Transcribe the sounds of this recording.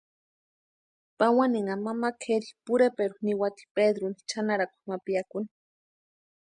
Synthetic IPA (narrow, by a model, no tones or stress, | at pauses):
pawaniŋamamakʰeɾipuɾepeɾuniwat̪i̥ped̪ɾuni̥t͡ʃʰanaɾakʷḁmapijakuni̥